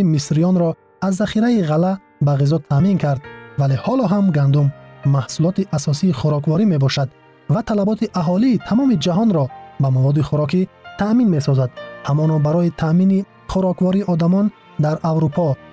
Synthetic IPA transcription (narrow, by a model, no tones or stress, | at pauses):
imisɾijɔnɾɔ | azːaχiɾaiʁala | baʁizɔt̪ʰamiŋkʰaɾd̪vale̞hɔlɔɦamɡand̪umːahsulɔt̪iʔasɔsiːχuɾɔkvɔɾime̞bɔʃad̪ | vat̪ʰalabɔt̪ʰiʔaɦɔliːt̪ʰamɔmid͡ʒaɦɔnɾɔbamavɔd̪iχuɾɔkit̪ʰaʔminme̞sɔzad̪hamɔnɔbaɾɔit̪ʰamini | χuɾɔkvɔɾiɔd̪amɔn | d̪aɾawɾupʰɔ